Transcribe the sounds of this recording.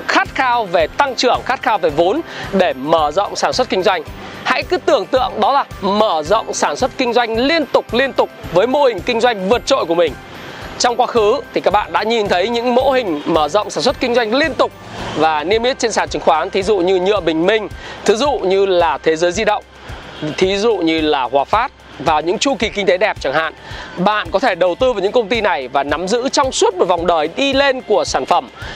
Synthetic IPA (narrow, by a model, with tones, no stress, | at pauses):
xaː˦˥t̚xaː˧wve˨˩t̪a˧ŋt͡ɕɨ˧˩əŋxaː˦˥t̚xaː˧wve˨˩vo˨˦nɗe˧˩məː˧˩zə̰˧˨wŋ͡msaː˧˩nswt̚kï˧ŋ̟zwa˧jŋ̟ha̰˧˥jkɨ˨˦t̪ɨ˧˩əŋt̪ɨ̰˧˨əŋɗɔ˨˦laː˨˩məː˧˩zə̰˧˨wŋ͡msaː˧˩nswə˦˥t̚kï˧ŋ̟zwa˧jŋ̟li˧ənt̪ʊ˨˩k͡p̚li˧ənt̪ʊ˨˩k͡p̚vəː˨˦jmo˧˥hï˨˩ŋ̟kï˧ŋ̟zwa˧jŋ̟vɨ˨˩ət̚t͡ɕo̰˧˨jkəmï˨˩ŋ̟ | t͡ɕɔ˧wŋ͡mkwaː˨˦xɨ˨˦t̪ʰi˨˩kaː˦˥k̚ɓa̰ː˧˨nɗa̰ː˧˥ɲi˨˩nt̪ʰə˨˦jɲɨ̰˧˥ŋmo̰˧˥hï˨˩ŋ̟məː˧˩zə̰˧˨wŋ͡msaː˧˩nswt̚kï˧ŋ̟zwa˧jŋ̟li˧ənt̪ʊ˨˩k͡p̚vaː˨˩ni˧əmʔi˦˥t̚t͡ɕe˧nsaː˧˩nt͡ɕɨ˨˦ŋxwaː˨˦nt̪ʰi˨˦zṵ˧˨ɲɨ˧ɲɨ̰˧˨əɓï˨˩ŋ̟mï˧ŋ̟t̪ʰɨ˨˦˥zṵ˧˨ɲɨ˧laː˨˩t̪ʰe˨˦zəː˨˦jzi˧ɗə̰˧˨wŋ͡m | t̪ʰi˨˦zṵ˧˨ɲɨ˧laː˨˩hwaː˨˩faː˦˥t̚ | vaː˨˩wɲɨ̰˧˥ŋt͡ɕu˧ki˨˩ki˧ŋ̟t̪e˨˦ɗɛ˨˩p̚t͡ɕa˧˩ŋha̰ː˧˨nɓa̰ː˧˨nkɔ˨˦t̪ʰe˧˩ɗə˨˩wt̪ɨ˧va˨˩wɲɨ̰˧˥kə˧wŋ͡mt̪i˧na˨˩jvaː˨˩na˨˦mzɨ̰˧˥t͡ɕɔ˧wŋ͡mswt̚mo˨˩va˨˩wŋ͡mɗəː˨˩jɗi˧le˧nku˧˩əsaː˧˩nfə˧˩m